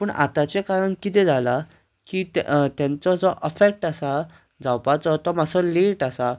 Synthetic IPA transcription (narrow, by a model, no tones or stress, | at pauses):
pəɳʔa̰t̪at͡ɕekaɾəɳkit̪ɛd͡zʱala | kit̪jãnt͡sɔd͡zɔʔəfek̚ʈasa | d͡zawpat͡sɔt̪ɔmasɔleʈasa